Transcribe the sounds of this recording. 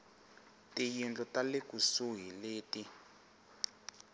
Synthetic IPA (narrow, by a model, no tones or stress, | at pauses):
tijind͡ɮʼɔtalekusuɦileːti